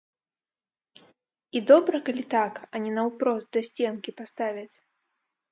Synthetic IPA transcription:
id̪ɔbɾɐkalʲit̪akɐnʲinɐwpɾɔst̪̚d̪ɐsʲt͡sʲɛnkʲipast̪avʲɐt͡sʲ

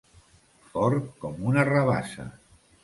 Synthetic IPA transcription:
fɔɾkɔmunaraβa̰sa̰

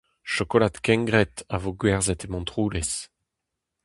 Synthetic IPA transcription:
ʃɔkolat̪kɛ̃ŋɡʁɛt̪avoɡwɛʁzɛt̪emɔ̃nt̪ʁuːles

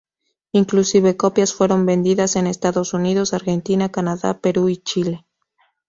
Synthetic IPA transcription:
iŋklusiβe̞ko̞pjasfwe̞ɾo̞mbe̞nd̪iðase̞ne̞st̪aðo̞suniðo̞saɾxe̞nt̪inakanaða̰pe̞ɾuit͡ʃile̞

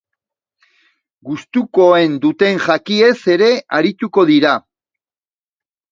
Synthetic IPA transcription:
ɡust̪uko̞e̞nd̪ut̪e̞ŋʝakie̞se̞ɾe̞aɾit̪uko̞ðiɾa

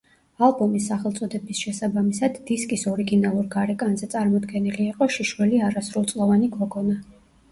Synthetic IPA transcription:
alˠbɔmisːaχɛlˠt̪sʼɔd̪ɛbisʃɛsabamisad̪ːiskʼisɔɾiɡinalˠuɾɡaɾɛkʼanzɛt̪sʼaɾmɔd̪ɡɛniliːqʼɔʃiʃwɛliaɾasɾulˠt̪sʼlˠɔvaniɡɔɡɔna

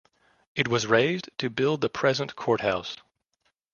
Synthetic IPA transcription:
ɨt̚wʌzɹeɪztʰɨbɪlˠd̪̚ðəpʰɹ̥ɛzə̃nkʰɔɹt̚haʊs

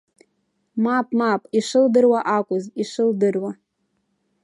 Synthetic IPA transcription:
mapʼmapʼiʂɨldɨrwaʔakʷʼʊziʂɨldɨrwa

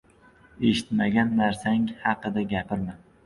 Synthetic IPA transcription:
e̞ʃɪt̪maɡʲanːaɾsaŋhɑqɨd̪aɡʲapɪɾma

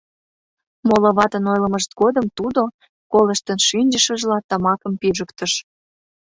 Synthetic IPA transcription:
moloβɑt̪ənojləməʃt̪̚ɡod̪əmt̪ud̪o | kolə̆ʃt̪ənʃynʲd͡ʑəʃəʒlɑt̪ɑmɑkəmpiʒəkt̪əʃ

